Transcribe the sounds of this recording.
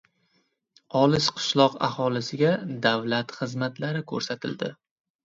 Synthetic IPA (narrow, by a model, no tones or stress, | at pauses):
ɒlɪʃqʰɨ̥ʃlˠɒqa̰hɒlɪsɪɡʲad̪avlat̪χɨzmat̪laɾɪkʰɵɾsat̪ʰɪld̪ɪ